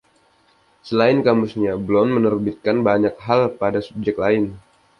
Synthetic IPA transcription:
səlaɪnkamusɲablɔnmənərbit̪̚kanbaɲak̚ɦalpadasup̚d͡ʒɛk̚t̪laɪn

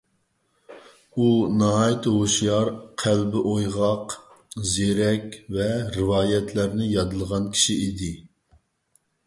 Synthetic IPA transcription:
unɑɦɑjt̪ʰɦoʃjɑɾqʰælbɪʔojʁɑq | zeɾɛkʲvɛɾɨvɑːjɛt̪ʰlæɾnɪjɑd̪ɨlˠʁɑnkʲʰi̥ʃiid̪ɪ

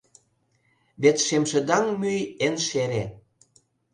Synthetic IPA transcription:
βet̪ʃemʃĕd̪ɑŋmyjenʃeɾe

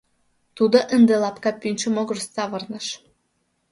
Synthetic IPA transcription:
t̪ud̪ŏʔənd̪elˠɑpkɑpynʲt͡ʃə̆moɡɤ̆rst̪ːɑβɤ̆rnə̆ʃ

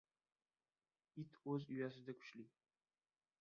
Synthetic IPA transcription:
ɪt̪ʰɵzʊjas̬ɪd̪akʲʰʊ̥ʃli

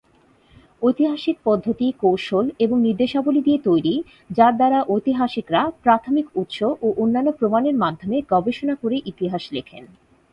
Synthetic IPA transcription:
ojt̪iɦaʃik̚pɔd̪ʱːot̪ikowʃoleboŋniɾd̪eʃabolid̪iet̪ojɾi | d͡ʑaɾd̪aɾaʔojt̪iɦaʃikɾapɾat̪ʰomikut̪ʃoʔoʔonːanːopɾomaneɾmad̪ʱːomeɡɔbeʃonakoɾeʔit̪iɦaʃlekʰḛn

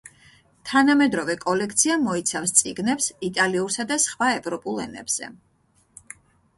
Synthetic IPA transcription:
t̪ʰanamɛd̪ɾɔvɛkʼɔlɛkʰt̪sʰiamɔit̪sʰafst̪sʼiɡnɛpsit̪ʼaliuɾsad̪asχwaɛvɾɔpʼulˠɛ̰nɛ̰b̥z̥ɛ̰

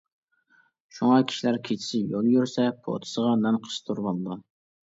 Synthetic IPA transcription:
ʃuŋɑkʲʰi̥ʃilæɾkʲʰet͡ʃʰi̥ʃɪjolˠjyɾsɛpʰo̰t̪ʰɨ̥səʁɑnɛnqʰə̥ʃt̪ʰuɾbɑlˠd̪u

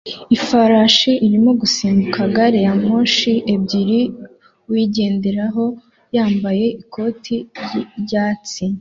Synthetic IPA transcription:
ifaɾaʃiʔiɾimo̞ɡusiːmbukaɡaɾejamoːʃie̞bɟiɾi | wiɟe̞ːndeɾaɦo̞ | jaːmbaje̞ʔikʰo̞ːtʰiɟaːt͡si

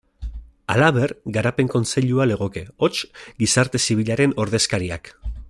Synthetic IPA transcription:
alaβe̞rɡaɾape̞ŋko̞nt͡se̞ʎuale̞ɣ̞o̞ke̞o̞t͡ʃɡisaɾt̪e̞siβ̞iʎaɾe̞no̞ɾðe̞skaɾia̰k

